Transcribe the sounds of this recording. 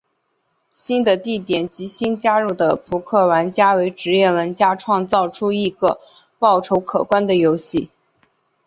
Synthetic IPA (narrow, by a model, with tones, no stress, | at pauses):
ɕi˥nd̪ə˨t̪i˥˩t̪jɛ˨˩nt͡ɕi˧˥ɕi˥nt͡ɕja˥ɻu˥˩d̪ə˩pʰu˧˥kʰɤ˥˩wa˧˥nt͡ɕja˥we˧˥ɪʈ͡ʂɻ̩˧˥jɛ˥˩wə˧˥nt͡ɕja˥ʈ͡ʂʰwɑ˥˧ŋt͡sɑ˥˩ʊʈ͡ʂʰu˥i˥˩ɡə˧ | pɑ˥˩ʊʈ͡ʂʰo˧˥ʊkʰɤ˨˩kwa˥nd̪ə˨jo˧˥ʊɕi˥˩